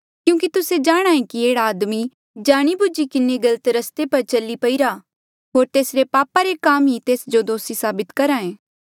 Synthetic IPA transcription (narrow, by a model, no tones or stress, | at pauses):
kjũːkit̪ʊsed͡ʒaːɽ̃ãːẽkieːɽaːd̪mi | d͡ʒaːɽ̃ibʊd͡ʒikɪneɡɐlət̪ɾɐst̪epɐɾt͡ʃɐlipɐiɾaː | ɦoːɾt̪eːsɾepaːpaɾekaːmɦit̪eːsd͡ʒod̪oːsisaːbɪt̪kɐɾãːẽː